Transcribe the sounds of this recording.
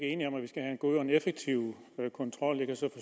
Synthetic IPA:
ɡ̥əe̝ːniɒ̽mæʋisɡ̥æɦæe̝nɡ̥o̝ðˠɒ̽enefeɡ̥̚t͡sʰiʊ̰kʰɒ̽nt͡sʰʁɒ̽l̰e̝ɡ̥æsɒ̽fɒ

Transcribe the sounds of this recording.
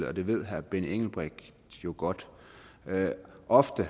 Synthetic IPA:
ləɒ̽d̥e̝ʋe̝ð̞̰ˠɦæɐb̥eneŋ̰l̩b̥ʁɛɡ̥ | jo̝ɡ̥ɒ̽d̥ | ʔɒ̽fd̥ə

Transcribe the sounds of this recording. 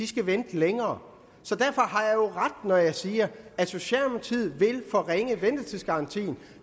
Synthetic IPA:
isɡ̥æʋend̥leŋɐː | sɒ̽d̥æɐfɒ̽ɦɑ̈jɑ̈ɪjo̝ʁɑd̥nɒjɑ̈ɪsiːɐæso̝ɕiɛ̰ːlmot͡sʰið̰ˠʋe̝lfɒ̽ʁeŋəʋend̥ɐt͡sʰiðˠsɡ̥ɑ̈ɑ̈nt͡sʰḭːn̩

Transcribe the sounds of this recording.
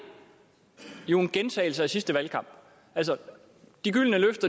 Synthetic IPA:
jo̝e̝nɡ̥ent͡sʰɛɪl̩səæsisd̥əʋælkʰɑ̈m̰b̥ | ʔælsɒ | d̥iɡ̥yl̰nəløfd̥ɐ

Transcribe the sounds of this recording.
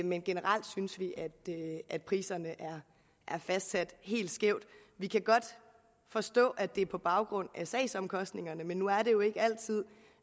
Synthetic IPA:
menɡ̥e̝nəʁɑl̰d̥synsʋiʔæd̥ʔæd̥̚pʰʁiːsɐnəʔæɐ | ʔæɐfæsd̥sæd̥ɦe̝̰ːld̥sɡ̥eʊ̰d̥ʋikʰæɡ̥ɒ̽d̥ | fɒ̽sd̥ɔ̰̽ːʔæd̥e̝pʰɒ̽b̥ɑ̈ʊɡ̥ʁɔ̽n̰æsɛ̰ɪsɒ̽mkʰɒ̽sd̥ne̝ŋɐnəmenːuæɐɾ̥e̝jo̝e̝ɡ̥əæl̰t͡sʰið̞̰ˠ

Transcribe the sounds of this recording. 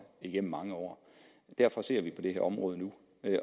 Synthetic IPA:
iɡ̥en̰m̩ːɑ̈ŋəɒ̰ː | d̥æɐfɒ̽se̝ɐ̰ʋipʰɒ̽d̥e̝ɦæɐɒ̽mʁɔːð̞ˠənu

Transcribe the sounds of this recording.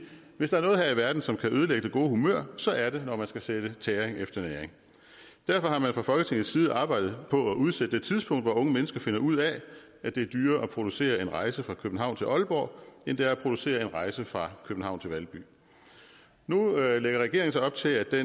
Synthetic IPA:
ʋe̝sd̥ɑæɐnɔ̽ːð̩ɦæɐiʋæɐd̥n̩sɒ̽mkʰæøːð̞ˠəleɡ̥əd̥e̝ɡ̥o̝ːhumø̰ɐ̰sɒ̽ʔæɐɾe̝nɒmænsɡ̥æseɾ̥ət͡sʰɛːʁeŋefd̥ɐneːɐeŋ | d̥æɐ̰fɒ̽hɑ̈mænfʁɑ̈fɒlɡ̥ət͡sʰeŋð̩sːiːð̞ˠʔɑ̈ːb̥ɑ̈ɪ̰d̥ð̩ˠpʰɒ̽æʔuð̞ˠsed̥ə̥ded̥̚t͡sʰiðˠsb̥ʰɔ̽ŋ̰d̥ʋɒɔ̽ŋəmenəsɡ̥ɐfe̝nɐʔuð̞̰ˠæ | æd̥e̝æɐd̥yːɐʔɒpʰʁo̝d̥use̝̰ːɐenʁɑ̈ɪsəfʁɑ̈kʰøb̥n̩ɦɑ̈ʊ̰nt͡sʰe̝lʔɒ̽lb̥ɒ̰ːe̝nd̥e̝æɐæpʰʁo̝d̥use̝̰ːɐe̝nʁɑ̈ɪsəfʁɑ̈kʰøb̥n̩ɑ̈ʊnt͡sʰe̝lʋælb̥y̰ː | nuleɡ̥ɐʁɛɡ̥e̝ɐŋn̩sɑɪɒ̽b̥̚t͡sʰe̝læ̥d̥en

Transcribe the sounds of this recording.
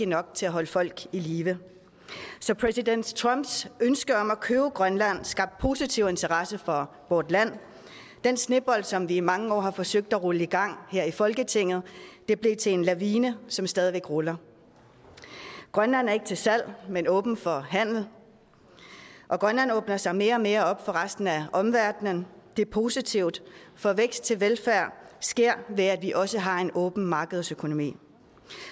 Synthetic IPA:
inɒ̽ɡ̥̚t͡sʰe̝æɦɒ̽ləfɒ̽l̰ɡ̥iliːʋə | sɒ̽pʰʁɛsiden̰d̥t͡sʰʁɑmb̥sønsɡ̥ɐɒ̽mækʰøːʊəɡ̥ʁɶnlæn̰sɡ̥ɑ̈b̥̚d̥̚pʰo̝ːsit͡sʰiʊ̰e̝nt͡sʰɐʁɑsəfɒ̽ | ʋɒːd̥læn̰ | d̥ensne̝b̥ɒ̽l̰d̥sɒ̽mʋiːmɑ̈ŋəɒ̰ːɦɑ̈fɒ̽søɡ̥̚d̥æʁuləiɡ̥ɑ̈ŋ̰heɐ̰ifɒ̽lɡ̥ət͡sʰe̝ŋ̰ð̞̩ˠd̥e̝b̥le̝t͡sʰe̝enlæʋiːnəsɒ̽msd̥ɛːð̞ˠiʋeɡ̥ʁolɐ | ɡ̥ʁɶnlæn̰æɐe̝ɡ̥t͡sʰe̝lsæl̰menɔ̽ːb̥n̩fɒ̽ɦæn̰l̩ | ʔɒ̽ɡ̥ʁɶnlæn̰ɔ̽ːb̥nɐsɑ̈ɪme̝ːɐɒ̽me̝ːɐɒ̽b̥fɒ̽ʁasd̥n̩æʔɒ̽mʋæɐd̥nənd̥e̝ɐpʰo̝ːsit͡sʰiʊ̰d̥fɒ̽ʋeɡ̥sd̥̚t͡sʰe̝lʋelfæɐ̰sɡ̥e̝ɐ̰ʋe̝æd̥ʋiʔɒ̽səɦɑ̈e̝nʔɔ̽ːb̥n̩mɑ̈ːɡ̥əð̞ˠsøkʰo̝no̝mḭː

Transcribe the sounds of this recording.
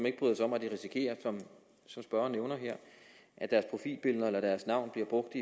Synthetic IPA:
ɒ̽me̝ɡ̥əb̥ʁyðˠsɒ̽mæd̥iʁisikʰe̝̰ːɐsɒ̽m | sɒ̽msb̥ɶɐɐːnːeʊnɐɦɛɐ̰ʔæd̥æɐspʰʁo̝fḭːlb̥elðˠɐelɐd̥æɐsnɑ̈ʊ̰nb̥liɐb̥ʁɔ̽ɡ̥̚d̥i

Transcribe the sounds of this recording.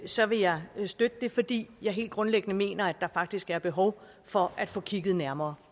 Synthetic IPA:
sɒ̽ʋe̝jɑ̈ɪsd̥ød̥əd̥e̝fɒ̽d̥ḭːjɑ̈ɪɦe̝̰ld̥̚ɡ̥ʁɔ̽nleɡ̥ənəme̝̰ːnɐæd̥ːɑ̈fɑ̈ɡ̥̚d̥isɡ̥æɐb̥e̝ɦɒʊ | fɒ̽æd̥fɔ̰̽ːkʰiɡ̥ð̩ˠnæɐmɐː

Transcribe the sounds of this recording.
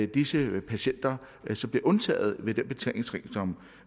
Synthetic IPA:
d̥isəpʰæɕen̰d̥ɐ | sɒ̽mb̥le̝ʔɔ̽nt͡sʰɛ̰ːð̞̩ˠʋe̝d̥enb̥e̝t͡sʰɛ̰ːle̝ŋsʁḭːsɒ̽m

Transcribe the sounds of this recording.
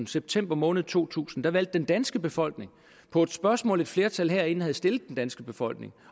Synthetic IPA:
n̩seb̥̚t͡sʰem̰b̥ɐmɔ̽ːnð̩ˠt͡sʰo̝̰ːt͡sʰṵːsn̩d̥ɑ̈ʋæl̰d̥̚ːend̥ænsɡ̥əb̥e̝fɒ̽l̰ɡ̥ne̝ŋ | pʰɒ̽e̝d̥sb̥ɶɐsmɔ̰̽ːle̝d̥fle̝ɐt͡sʰælɦeɐ̰e̝n̩hæð̞̩ˠsd̥e̝ləð̩ˠd̥end̥ænsɡ̥əb̥e̝fɒ̽l̰ɡ̥ne̝ŋ

